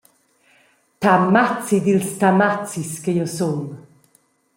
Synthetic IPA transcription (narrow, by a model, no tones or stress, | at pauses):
tʰamat͡sid̪ilstʰamat͡siskejɔson